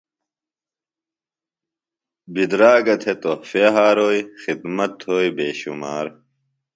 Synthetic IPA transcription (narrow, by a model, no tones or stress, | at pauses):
bid̪ɾaːɡɐt̪ʰet̪ofeɦaːɾoːjxid̪mɐt̪hoːibeːɕumaːɾ